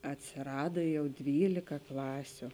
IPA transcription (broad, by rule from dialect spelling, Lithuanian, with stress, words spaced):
ɐtʲsʲeːˈrɑːdɐ ˈjɛʊ ˈdʲʋʲiːlʲɪkɐ ˈklˠɑːsʲʊ